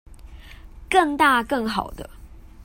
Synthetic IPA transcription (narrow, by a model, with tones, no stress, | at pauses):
kə˥˧ŋt̪a˥˧kɤ˥˨ŋxɑ˨˩ʊd̪ə˦